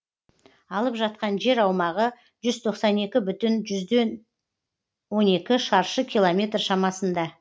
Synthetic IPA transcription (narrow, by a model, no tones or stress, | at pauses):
ɑlˠəpʒɑt̪̚qɑnʒe̞ɾɑwmɑʁə | ʒʏzt̪ʰo̞qsɑne̞kʲɪbʏt̪ɪnʒʏzd̪en | wo̞ne̞kʲɪʃɑɾʃəkʲʰilˠomʲe̞t̪rʃɑmɑsənd̪ɑ